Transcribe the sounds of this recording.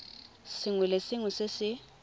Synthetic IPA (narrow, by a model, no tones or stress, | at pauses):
sɪŋwɛlesɪŋwʊsɪsɪ